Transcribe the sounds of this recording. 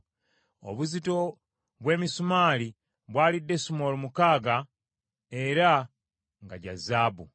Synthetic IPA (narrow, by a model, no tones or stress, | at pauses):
o̞̰βuzito̞ | βwe̞ːmisumaːli | βwaːlidːe̞sumo̞ːlumukaːɡa | e̞ɾa | ŋɡaɟa̰zaːbu